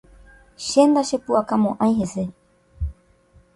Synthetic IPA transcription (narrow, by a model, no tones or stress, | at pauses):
ʃend̪aʃepuakamõʔãĩhese